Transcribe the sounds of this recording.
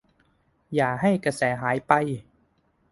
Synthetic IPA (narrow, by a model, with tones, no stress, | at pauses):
jaː˨˩ɦa˥˩jkɾa˧sɛː˩˦ɦaː˩˦jpa˧j